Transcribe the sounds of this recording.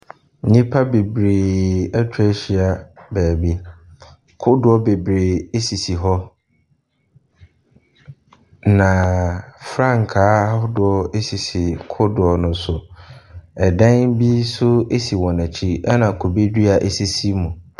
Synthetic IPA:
ɲĩ˦pʰa˦be˨bɾeː˨ɛ˦tʰᶣɛ˦ɕi˨a˨bɛː˨bi˦ | kʰʊ˦dʊ˦ɔ˦be˨bɾe˨e˦si˨si˨ɦɔ˦ | nã˨fɾã˦˨ŋ˨kʰaː˨˦dʊ˨ɔ˦e˦si˨si˨kʰʊ˦dʊ˨ɔ˨nʊ̃˨sʊ˨ | ɛ˨dã˦ŋbi˦sʊ˦e˦si˨wɔ̃˨næ˨t͡ɕʰi˦a˦nã˨kʰo˨be˦di˦a˨ʔe˨si˦si˦mũ˨

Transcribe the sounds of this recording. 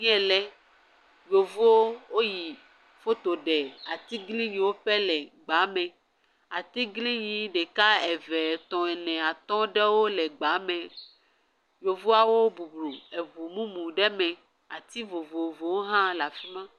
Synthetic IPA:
ɲ˦ɛ̃˦lɛ˦ | jo˨vu˦wo˦wo˦ji˨ | fo˦t̪o˨ɖɛ˨a˨t̪i˦ɡli˦ɲĩ˨wo˦ɸɛ˦lɛ˨ɡ͡ba˨˦mɛ̃˨ | a˨t̪i˦ɡli˦ɲĩ˨ɖe˨ka˦ɛ˨vɛ˨t̪ɔ̃˨ɛ˨nɛ̃˨a˨t̪ɔ̃˦ɖɛ˦wo˦lɛ˨ɡ͡ba˨˦mɛ̃˨ | jo˨vu˦a˨wo˦bu˨blu˨e˨vu˨mũ˦mũ˨ɖɛ˦mɛ̃˨ | a˨t̪i˦vo˨vo˨vo˨wo˦ɦã˦la˨fi˦mã˦

